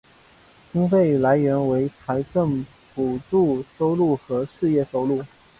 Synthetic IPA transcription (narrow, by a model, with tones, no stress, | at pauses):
t͡ɕi˥ŋfe˥˩ɪla˧˥ɪɥɛ˧˥nwe˧˥ɪt͡sʰa˧˥ɪʈ͡ʂə˥˩ŋ | pu˨˩ʈ͡ʂu˥˩ʂo˥ʊlu˥˩xɤ˧˥ʂɻ̩˥˧jɛ˥˩so˥ʊlu˥˩